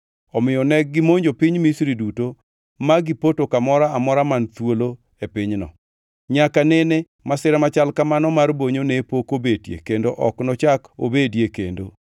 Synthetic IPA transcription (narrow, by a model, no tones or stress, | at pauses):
ɔmɪjɔnɛɡ̚ɡɪmoɲd͡ʒopɪɲmisɾiduto | maɡɪpotokamɔɾaamɔɾamant̪wolo | epɪɲnɔ̰ | ɲakanene | masɪɾamat͡ʃalkamanɔmarboɲonepokobetjḛkendoʔɔ̰knɔt͡ʃako̰bedjekḛndo